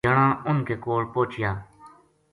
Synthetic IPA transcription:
əɳãːʊnkeːkoːlpoːt͡ʃɪjaː

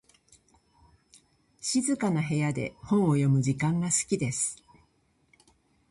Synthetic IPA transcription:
ɕizɨkanaɦe̞jad̪e̞̰hõ̞ɰ̃o̞jo̞mɯ̟d͡ʑikãŋɡasɨ̥kʲid̪e̞sɨ̥

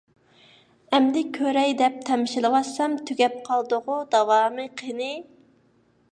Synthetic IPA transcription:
ɛmd̪ɪkʲʰøɾɛjd̪ɛp̚t̪ʰɛmɪʃilˠɨwɑsɛmt̪ʰyɡʲɛp̚qʰɑlˠd̪ʊʁʊd̪ɑwɑːmɨqʰənɪ

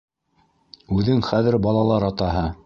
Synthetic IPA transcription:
ʉðɘŋχæðɘ̆ɾbɑlˠɑlˠɑɾɑt̪ɑɦɤ

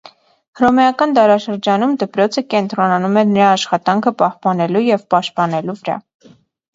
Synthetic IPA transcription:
hɾɔmɛɑkɑnd̪ɑɾɑʃəɾd͡ʒɑnumd̪əpɾɔt͡sʰəkɛnt̪ɾɔnɑnumɛnəɾɑːʃχɑt̪ɑŋkʰəpɑhpɑnɛlujɛvpɑʃt̪̚pɑnɛluvəɾɑ̰

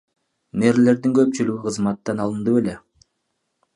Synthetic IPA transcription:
ne̞ɾle̞ɾd̪iŋkø̞p̚t͡ʃylyɡyqʰɯzmɑt̪ːɑnɑlˠɯnd̪ue̞le̞

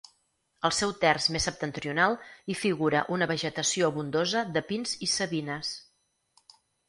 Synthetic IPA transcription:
əlˠsɛwt̪ɛrzmesəp̚t̪ənt̪ɾiunalˠifiɣuɾə̰ʔunəβəʒət̪əsioβund̪ozəðəpinzisəβinəs

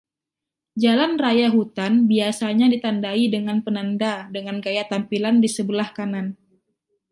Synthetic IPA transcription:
d͡ʒalanrajaɦut̪anbiasaɲadit̪andaidəŋanpənandadəŋanɡajat̪ampilandisəbəlahkanan

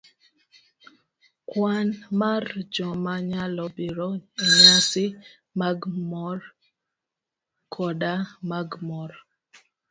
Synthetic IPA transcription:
kwanmard͡ʒɔmaɲalɔbiɾɔeɲasɪ | maɡmɔr | kʰɔdamaɡmɔɾ

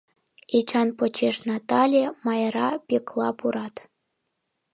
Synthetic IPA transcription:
et͡ɕɑnpot͡ɕeʃnɑt̪ɑlʲemɑjɾɑpʲeklˠɑpuɾɑt̪

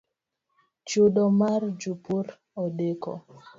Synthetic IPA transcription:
t͡ʃoɗɔmard͡ʒupuɾ | ɔdekɔ̰

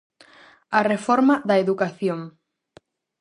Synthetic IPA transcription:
arefɔɾmaðɐeðukaθjoŋ

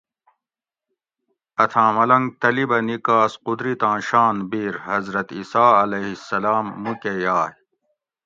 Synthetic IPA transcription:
ɐt̪ʰãːmɐlɐŋɡ̚t̪ɐlibɐnikaːsqud̪ɾit̪ãːɕaːnbiːɾhɐzɾɐt̪isaːɐleɦisːɐlaːmːukejaːj

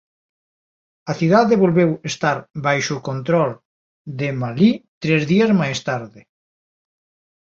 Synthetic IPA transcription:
aθiðaðeβolβewest̪aɾbajʃʊkont̪ɾɔl | d̪emalit̪ɾezðiazmajst̪aɾðɪ

